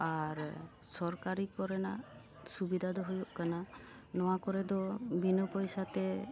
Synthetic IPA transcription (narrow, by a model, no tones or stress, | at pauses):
aɾ | sɔɾkaɾikɔɾɛna | subid̪ʱad̪ɔɦojoʔkana | nɔwakɔɾɛd̪ɔbʱinɔpɔjsat̪ɛ